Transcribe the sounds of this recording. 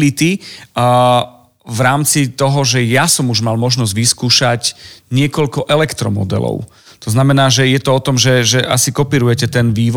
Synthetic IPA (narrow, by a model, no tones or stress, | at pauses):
lit̪i | vɾaːmt͡sit̪ɔɦɔʒɛjasɔmuʒmalmɔʒnɔzɟʋiskuːʃacɲɪɛkɔʎkɔʔɛlɛkt̪ɾɔmɔ̰d̪ɛ̰lɔ̰ʊ | t̪ɔznamɛnaːʒɛjɛt̪ɔɔt̪ɔmʒɛʒɛʔa̰sikɔpiːɾujɛcɛt̪ɛnʋiːʋ